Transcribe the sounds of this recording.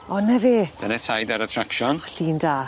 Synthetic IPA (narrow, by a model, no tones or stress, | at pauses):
ɔnɛviːd̥anɛtʰajdaɾatʰɾakʃɔnɬiːndaː